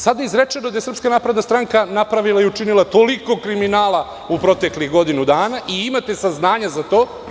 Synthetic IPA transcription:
sad̪aizɾet͡ʃenod̪ajesɾr̩pskanapɾed̪ast̪ɾaŋkanapɾaʋilˠaiut͡ʃinilat̪o̞liko̞kɾiminaːlˠa | upɾo̞t̪e̞kliɣɡo̞d̪inud̪aːnaʔiimat̪e̞saznaːɲazat̪o̞ː

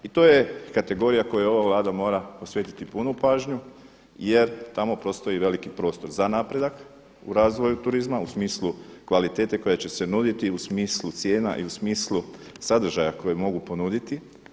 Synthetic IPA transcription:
it̪o̞je̞kat̪e̞ɡo̞ɾijako̞juo̞ʋaʋlˠaːd̪amo̞ːɾapo̞sʋje̞t̪i̥t̪ipunupaːʒɲu | je̞ɾt̪amo̞pɾo̞st̪o̞jiʋe̞likipɾo̞ːst̪o̞ɾzanaːpɾe̞d̪ak | ṵɾaːzʋo̞jut̪uɾizmausmiːslˠukʋalit̪e̞ːt̪e̞ko̞jet͡ɕe̞se̞nud̪it̪iusmiːslˠut̪sjeːna̰ʔḭusmiːslˠusad̪r̩ʒajako̞jemo̞ɡupo̞nud̪it̪i

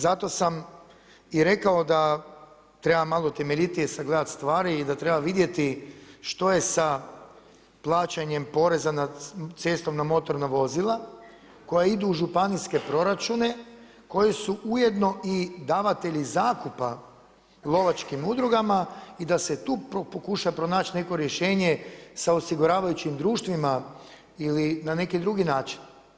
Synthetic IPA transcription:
zat̪o̞sam | iɾe̞kao̞d̪a | t̪ɾe̞bamalˠot̪e̞meʎit̪iesaɡled̪at̪st̪ʋaːɾiːd̪at̪ɾe̞baʋid̪je̞t̪iʃt̪o̞je̞sa | plˠaːt͡ʃaɲe̞mpo̞ɾe̞zanad̪t̪se̞ːst̪o̞mnamo̞t̪o̞ɾnaʋo̞zilˠa | ko̞jaid̪uːʒupaniske̞pɾo̞ɾat͡ʃune̞ | ko̞jesuʔuje̞d̪no̞ʔid̪aːʋat̪e̞ʎizaːkupa | lˠo̞ʋat͡ʃkimud̪ɾuɡamaid̪ase̞t̪uːpopokuʃajapɾo̞naːt͡ʃne̞ko̞ɾje̞ʃe̞ːɲe̞saosiɡuɾaːʋajut͡ɕimd̪ɾuːʃt̪ʋima | ilinane̞kid̪ɾuɡinaːt͡ʃi̥n

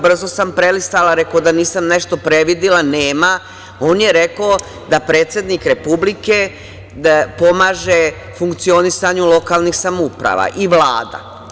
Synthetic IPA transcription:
br̩zo̞sampɾelist̪alaɾekod̪aniːsamne̞ʃt̪o̞pɾe̞ʋid̪ilaneːma | o̞ːnje̞ɾe̞ko | d̪apɾe̞ːt̪sʲje̞d̪nikɾe̞publike | po̞maːʒe | fuŋkt̪sio̞nisaɲulo̞kaːlˠnixsamupɾa̰ʋa̰ʔiʋlaːd̪a̰

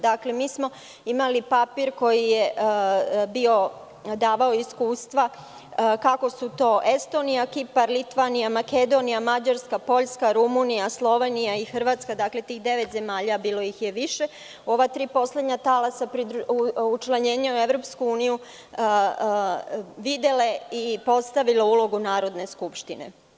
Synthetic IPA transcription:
d̪akle̞miːsmo̞ | imalipapiːɾko̞jije | bio̞ | d̪aːʋaoiskuːst̪ʋa | kako̞sut̪o̞ːʔe̞st̪o̞nijakipaɾlit̪ʋanijamake̞d̪o̞nijamad͡ʑaɾskapo̞ʎskaɾumunijaslˠo̞ʋenijaixr̩ʋaːt̪skad̪akle̞t̪iːxd̪e̞ʋet̪ze̞maːʎabiːlo̞jixjeʋiʃe̞ | o̞ʋat̪ɾiːpo̞sle̞d̪ɲat̪alasapɾid̪ɾuut͡ʃlˠaɲe̞ːɲaue̞ʋɾo̞pskuuːniju | ʋid̪e̞leipo̞st̪aʋileulˠo̞ɡunaːɾod̪ne̞skupʃt̪inḛ

